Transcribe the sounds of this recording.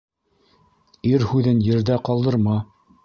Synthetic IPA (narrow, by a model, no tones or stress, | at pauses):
iɾhʉðɘnjɘ̆ɾd̪æqɑlˠd̪ɤ̆ɾmɑ